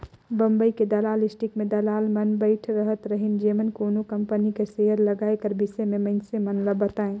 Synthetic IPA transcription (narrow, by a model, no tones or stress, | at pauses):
bə̃mbəiked̪ɐlaːlɪsʈikmẽd̪ɐlaːlmənbəɪʈʰɾəɦət̪ɾəɦɪnd͡ʒeːmənkoːnokɐ̃mpənikeseɦəɾləɡaːekəɾbɪsemẽmɐɪnsemənləbət̪aːẽ